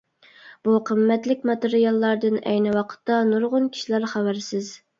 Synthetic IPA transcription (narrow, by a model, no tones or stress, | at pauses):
b̥uqʰəmːɛt̪lɪk̚ʲmɑt̪eɾijɑlˠːɑɾd̪ɨnɛ̰jnɨwɑqʰə̥t̪ːɑnuɾʁʊnkʲʰi̥ʃilæɾχæwæɾsɪz